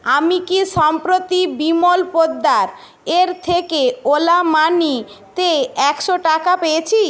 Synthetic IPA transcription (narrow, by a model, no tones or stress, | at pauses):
amikiʃɔmpɾot̪ibimolpod̪ːaɾ | eɾt̪ʰekeolamanit̪eɛkʃoʈakapeet͡ɕʰi